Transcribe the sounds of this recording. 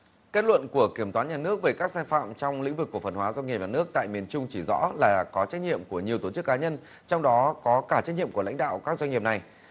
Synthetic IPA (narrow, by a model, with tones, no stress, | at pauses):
ke˦˥t̚lwə̰˧˨nku˧˩əki˧˩əmt̪waː˨˦nɲaː˨˩nɨ˦˥ək̚ve˨˩kaː˦˥k̚saː˧jfa̰ː˧˨mt͡ɕɔ˧wŋ͡mlḭ̈˧˥ŋ̟vɨ˨˩kːu˧˩fə˨˩nhɦwaː˨˦zɔ˧ŋi˨˩p̚ɲaː˨˩nɨ˦˥ək̚t̪a̰ː˧˨jmi˨˩ənt͡ɕʊ˧ŋ͡mt͡ɕi˧˩zɔ̰˧˥laː˨˩kɔ˨˦t͡ɕɛ˦˥t̚ɲḭ˧˨əmku˧˩əɲi˨˩əwt̪o˧˩t͡ɕɨ˦˥kːaː˨˦ɲə˧n | t͡ɕɔ˧wŋ͡mɗɔ˨˦kɔ˨˦kaː˧˩t͡ɕɛ˦˥ɲḭ˧əmku˧˩la̰˧˥jŋ̟ɗa̰ː˧˨wkaː˦˥k̚zwa˧jŋḭ˧˨˩p̚na˨˩j